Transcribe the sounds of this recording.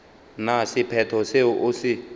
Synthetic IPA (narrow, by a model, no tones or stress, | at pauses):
nasipʰɛtʰɔseʔusi